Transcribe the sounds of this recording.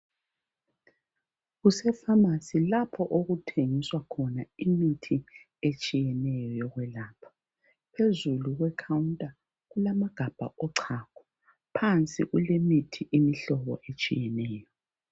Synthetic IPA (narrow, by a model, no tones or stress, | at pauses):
ɣusɛfamasilapʰɔʔoɣutʰeŋiswakʰɔnaimitʰi | et͡ʃʼijɛnɛjɔjɔɣwɛlaːpʰɔ̥ | pʰezuluɣwɛkʰawuntʼa | ɣulamaɡ̥ʱab̥ʱa̰ʔɔǀʰakʰɔ̥ | pʰant͡sʼḭɣulemitʰiʔimiɬɔβɔ̰ʔet͡ʃʼijɛnɛːjɔ